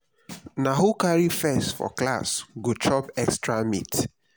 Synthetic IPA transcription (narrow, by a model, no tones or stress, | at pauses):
naɦokaɹifɛstfɔ̰kla̰sɡot͡ʃɔpɛkstɹamḭt